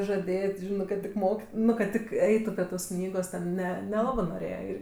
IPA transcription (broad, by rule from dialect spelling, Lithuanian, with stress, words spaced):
ʒɐˈdʲeːtʲ ˈʒʲɪnɜ kɐt ˈtʲɪk ˈmoːk ˈnʊ kɐt ˈtʲɪk ˈɛɪtʊ pʲrʲiɛ toːs ˈknʲiːɡoːs ˈnʲɛ nʲɛˈlˠɑːbɜ noːˈrʲeːjɛ ˈɪr